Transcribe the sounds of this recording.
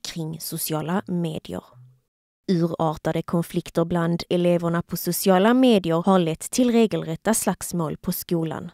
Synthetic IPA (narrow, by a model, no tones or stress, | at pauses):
kʰɾɪŋːsʊsɪɑːlameːd̪ɪə̰ɾ | ʉ̟ːɾɑːɾt̪ad̪əkʰɔnflɪkt̪əɾbland̪ɛleːvəɳapʰɔsʊsɪɑːlameːd̪ɪəɾhaɭɛt̪ʰːɪlɾeːɡəlɾɛt̪ːaslaksmoːlpʰɔskuːla̰n